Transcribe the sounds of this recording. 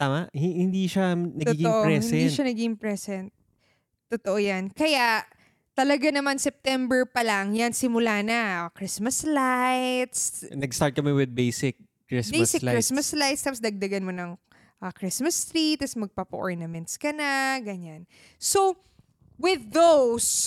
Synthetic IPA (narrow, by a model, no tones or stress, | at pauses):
t̪aːmɐʔhɪhɪnd̪iʃanɐɡ̪t̪iɡoʔoɾɛhɪnd̪iʃanɐɡiɪmpɹɛsɛnt̪̚ | t̪ːot̪oʔojankɐjaʔ | t̪ɐlɐɡanɐmansɛp̚t̪ɛmbɛɹpɐlaŋjansɪmʊlaːnɐkɾɪsmɐslajt̪snɐɡst̪aɹt̪̚kɐmɛwɪd̪̚bejsɪkː | ɹɪsbejsɪklɾismɐslajt̪st̪ɐpsd̪ɐɡ̚d̪ɐɡɐnmonɐŋ | ʔɐkɹɪsmɐst̪ɾit̪ɛsmɐɡ̚papɐʔɔɹnɐmɛnt̪skɐnaɡɐɲan | so̞ | wɪðːows